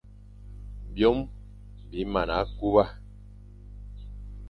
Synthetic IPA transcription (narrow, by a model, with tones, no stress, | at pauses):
bjɔ˦m | bi˨˦ma˨na˨˦ku˦ba˦